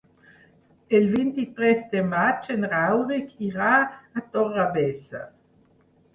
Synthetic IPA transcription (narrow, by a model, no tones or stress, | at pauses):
elvint̪it̪ɾesd̪emat͡ʃenɾawɾikʰiʁaːt̪orabesa̰s